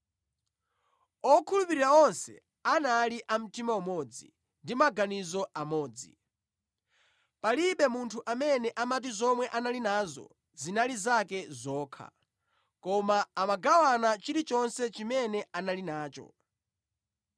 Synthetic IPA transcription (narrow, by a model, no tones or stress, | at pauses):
ɔkʰulupiɾiɾaɔnsɛ̰ | analiʔam̩timaumɔd͡zḭ | ndimaɡanizɔʔamɔːd͡zi | paliɓɛmuntʰuʔamɛnɛʔamat̬izɔmwɛʔanalinazɔ̰ | zinalizakɛzɔːkʰa̰ | kɔmaːmaɡawanat͡ʃiɾit͡ʃɔnsɛt͡ʃimɛnɛʔanalinaːt͡ʃɔ̰